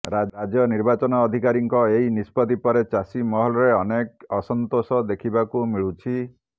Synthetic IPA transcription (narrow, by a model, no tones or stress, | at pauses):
ɾad͡ʒjɔniɾbat͡ʃɔnɔːd̪ʱikaɾiŋkɔeinispɔd̪ipɔɾet͡ʃasimɔɦɔlɔɾeɔnekɔsɔnt̪osɔd̪ekʰibakumiɭut͡ʃʰi